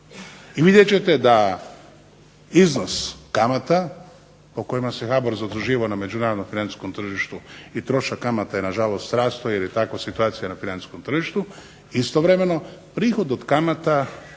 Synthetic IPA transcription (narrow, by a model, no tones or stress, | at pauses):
iʋid̪jet͡ɕe̞t̪e̞d̪a | iznoskamat̪a | po̞ko̞jimasexaboɾzad̪ɾuʒiːʋaname̞d͡ʒunaːɾod̪nomfinant̪i̥skomt̪r̩ʒiʃt̪uit̪ɾo̞ʃakamat̪ajenaʒalost̪t̪ɾaːst̪ojeɾjet̪akʋosit̪uaːt̪sijanafinansi̥skomt̪r̩ʒiʃt̪u | ist̪oʋɾe̞me̞no̞pɾiːxo̞d̪od̪kamat̪a